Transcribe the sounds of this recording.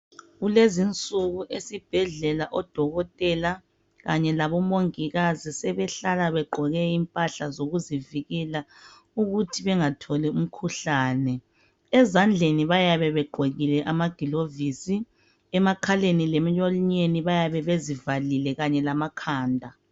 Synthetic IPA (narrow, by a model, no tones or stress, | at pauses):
ɣulezint͡sʼuɣuʔesib̥ʱɛɮɛlaʔɔd̥ʱɔɣɔtʼɛla | ɣaɲɛlaβɔmoŋiɣazisɛβɛɬalaβɛɡ͡ǃʱɔɣɛimpʼaɬazoɣuziviɣɛla | uɣutʰiβɛŋatʰɔlɛum̩kʰuɬaːnɛ | ɛzand͡ɮʱeniβajaβɛβɛɡ͡ǃʱweɣilɛʔamaɡ̥ʱilovisi | ɛmakʰalenilɛm̩jɔliɲeniβajaβɛβezivalilɛɣaɲɛlamakʰaːndʱa